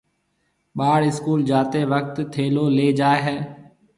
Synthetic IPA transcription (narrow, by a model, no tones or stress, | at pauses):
ɓaːɽɪskuːld͡ʒaːt̪eːʋək̚t̪t̪ʰeːloːleːd͡ʒaːeɦɛː